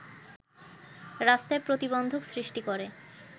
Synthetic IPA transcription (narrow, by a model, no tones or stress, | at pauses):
ɾast̪aepɾot̪ibond̪ʱoksɾiʃʈikoɾe